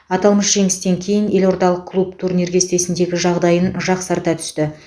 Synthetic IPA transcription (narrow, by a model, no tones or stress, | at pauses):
ɑt̪ɑlˠməsʒ̥e̞ŋɪst̪e̞ŋkʲʰe̞jɪne̞lo̞ɾd̪ɑlˠəq̚kʰːlˠup̚t̪ʰuɾneɾɡʲest̪e̞sɪnd̪e̞ɡʲɪʒɑʁd̪ɑjənʒɑqsɑɾt̪ɑt̪ʰʏ̥st̪ɪ